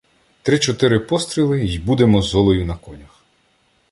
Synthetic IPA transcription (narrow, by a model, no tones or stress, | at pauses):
t̪ɾɪt͡ʃɔt̪ɪɾɪpɔst̪ɾʲilˠɪjbud̪emɔzɔlˠɔjʊnɐkɔnʲɐx